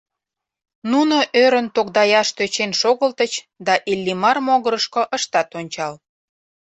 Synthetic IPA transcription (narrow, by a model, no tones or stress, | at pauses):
nunoʔøɾənt̪okd̪ɑjɑʃt̪øt͡ɕenʃoɣəlt̪ət͡ɕ | d̪ɑʔilʲːimɑrmoɣəɾəʃkoʔəʃt̪ɑt̪onʲt͡ɕɑl